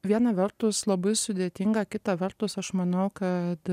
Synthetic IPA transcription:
ʋʲiɛnɐʋʲɛrt̪ʊslˠɐbɐɪsʊd̪ʲeːt̪ʲɪŋɡɐkʲɪt̪ɐʋʲɛrt̪ʊsɐʃmɐnɐʊkɐt̪

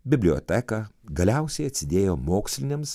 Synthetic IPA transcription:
bʲɪbʲlʲɪjo̰ːt̪ʲɛkɑɡɐlʲɛˑʊsʲɛɪɐt̪ʲsʲɪd̪ʲeːjoːmoːksʲlʲɪnʲems

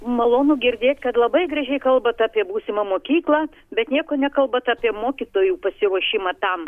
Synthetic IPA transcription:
mɐlˠoːnuːɡʲɪɾʲd̪ʲeːt̪ʲkɐt̪lˠɐbɐɪɡɾɐʒʲɛɪkɐlˠbɐt̪ɑːpʲiɛbuːsʲɪmɐmoːkʲiːklˠɐː | bʲɛt̪nʲiɛkoːnʲɛkɐlˠbɐt̪ɑːpʲiɛmoːkʲɪt̪oːjuːpɐsʲɪɾuɔʃʲɪmɐt̪ɐm

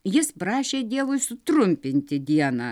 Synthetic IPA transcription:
jɪspɾɑːʃʲeːd̪ʲiɛʋʊɪsʊt̪ɾʊmʲpʲɪnʲt̪ʲɪd̪ʲiɛnɑː

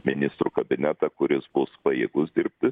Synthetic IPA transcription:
mʲɪnʲɪst̪ɾukɐbʲɪnʲæt̪ɐkʊɾʲɪsbʊspɐjeːɡʊsd̪ʲɪɾʲppʲt̪ʲɪ

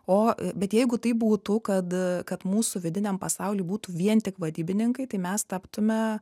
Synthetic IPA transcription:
oːbʲɛt̪jɛɪɡʊt̪ɐɪbuːt̪ʊkɐt̪kɐt̪muːsʊʋʲɪd̪ʲɪnʲɛmpɐsɑʊlʲiːbuːt̪uʋʲiɛnt̪ʲɪkʋɐd̪ʲiːbʲɪnʲɪŋkɐɪt̪ɐɪmʲɛst̪ɐpt̪ʊmʲɛ

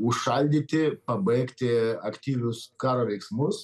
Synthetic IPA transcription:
ʊʃʃɐlʲd̪ʲiːt̪ʲɪpɐbɐɪkt̪ʲɪɐkt̪ʲiːʋʲʊskɑːɾoːʋʲɛɪksmʊs

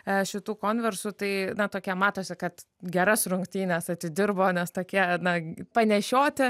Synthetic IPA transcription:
ɐʃʲɪt̪uːkoːnʲʋʲɛrsʊt̪ɐɪnɐt̪oːkʲiɛmɑːt̪oːsʲɪkɐt̪ | ɡʲɛɾɐsɾʊŋkt̪ʲiːnʲɛsɐt̪ʲɪd̪ʲɪrboːnʲɛst̪oːkʲiɛnɐpɐnʲɛʃʲoːt̪ʲɪ

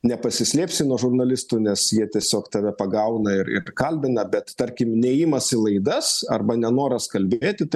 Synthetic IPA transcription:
nʲɛpɐsʲɪsʲlʲeːpʲsʲɪnuɔʒʊrnɐlʲɪst̪uːnʲɛsjiɛt̪ʲiɛsʲoːkt̪ɐʋʲɛpɐɡɐʊnɐɪɾɪ̰ɾkɐlʲbʲɪnɐbʲɛt̪t̪ɐɾʲkʲɪmnʲɛjɪmɐsɪlˠɐɪd̪ɐsɐrbɐnʲɛnoːɾɐskɐlʲbʲeːt̪ʲɪt̪ɐɪ

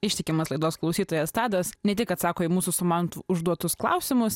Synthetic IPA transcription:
ɪʃʲt̪ʲɪkʲɪmɐslˠɐɪd̪oːsklˠɐʊsʲiːt̪oːjɛst̪ɑːd̪ɐsnʲɛt̪ʲɪkɐt̪sɑːkoːɪmuːsʊsʊmɑːnt̪ṵʊʒd̪uɔt̪ʊsklˠɐ̰ʊsʲɪmʊs

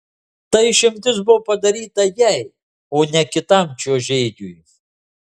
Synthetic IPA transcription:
t̪ɐɪʃʲɪmʲt̪ʲɪsbʊʋopɐd̪ɐɾʲiːt̪ɐjɛɪ | oːnʲɛkʲɪt̪ɐˑmʲt͡ʃʲoːʒʲɛɪd͡ʒʲuːj

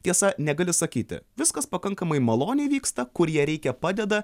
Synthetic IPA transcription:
t̪ʲiɛsɐnʲɛɡɐlʲɪsɐkʲiːt̪ʲɪ̰ʋʲɪskɐspɐkɐŋkɐmɐɪmɐlˠoːnʲɛɪʋʲiːkst̪ɐkʊɾjiɛɾʲɛɪkʲɛpɑːd̪ʲɛd̪ɐ

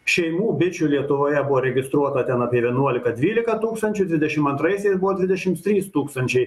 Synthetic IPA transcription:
ʃʲɛɪmuːbʲɪt͡ʃʲʊlʲiɛt̪ʊʋoːjɛbʊʋoːɾʲɛɡʲɪst̪ɾuɔt̪ɐt̪ʲɛnɑːpʲiɛʋʲiɛnuɔlʲɪkɐd̪ʲʋʲiːlʲɪkɐt̪uːkst̪ɐnʲt͡ʃʲʊd̪ʲʋʲɪd̪ʲɛʃʲɪmɐnt̪ɾɐɪsʲɛɪsbʊʋɔd̪ʋʲɪd̪ʲɛʃʲɪmt̪ʲɾʲiːst̪uːkst̪ɐnʲt͡ʃʲɛɪ

